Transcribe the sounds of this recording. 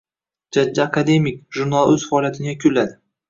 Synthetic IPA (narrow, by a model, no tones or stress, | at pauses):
d͡ʒad͡ʒːaːkʰad̪e̞mɪkʒʊɾnalˠɵz̥faɒlˠjat̪ʰɪnɪakʰʊlːad̪ɪ